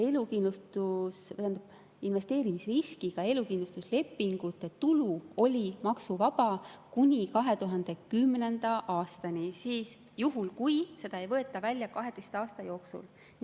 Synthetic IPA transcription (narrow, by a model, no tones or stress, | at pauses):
e̞lukind̪lust̪ust̪ænd̪ub̥ | inve̞st̪e̞ːɾimisriskiɡ̥ɑe̞lukind̪lust̪usle̞pːiŋɡ̥ut̪ːˑe̞t̪uluo̞lʲimɑksuvɑbɑkunʲikɑɦe̞t̪uɦɑnd̪̥e̞kymne̞nd̪̥ɑʔɑːst̪ɑnʲisiːs | juɦulkujse̞d̪̥ɑe̞jvɤe̞t̪ːˑɑvælʲjɑkɑɦe̞d̪e̞jst̪ɑːst̪ɑjo̞ːksṵl | n